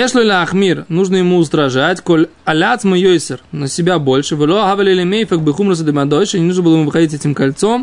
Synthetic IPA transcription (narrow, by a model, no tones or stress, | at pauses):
jeʂlʲolʲɪɐxmʲirnuʐnəjɪmuʊst̪ɾɐʐatʲko̞lʲ | ɐlʲat̪smɨjojsɪrnəsʲɪbʲabo̞lʲʂɨvɨlˠoɐɦavɐlʲelʲɪmʲejfəkbɨxumɾəs̬əd̪ɨmaɐd̪oʃnʲɪnuʐnəbɨlˠəɪmuvɨxɐdʲit̬ʲɛtʲɪmkɐlʲt̪so̞m